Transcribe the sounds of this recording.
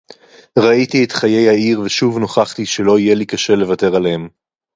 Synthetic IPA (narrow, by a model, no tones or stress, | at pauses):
ʁaitietχaje̞jhaiʁveʃuvno̞χaχtiʃe̞lo̞ijelikaʃe̞le̞vate̞ʁalem